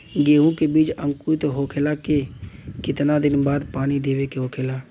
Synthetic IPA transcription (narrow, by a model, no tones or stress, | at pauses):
ɡeːũkebiːt͡ʃə̃ŋkut̪ɦoːkʰeːlakekɪt̪nad̪ɪnbaːd̪paːnid̪eːʋekeɦoːkʰeːlaː